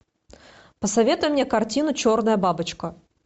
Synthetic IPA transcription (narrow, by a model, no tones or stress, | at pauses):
pəsɐvʲe̞t̪ʊjɪmnʲekɐrtʲinʊt͡ɕo̞rnəjəbabɨt͡ɕkə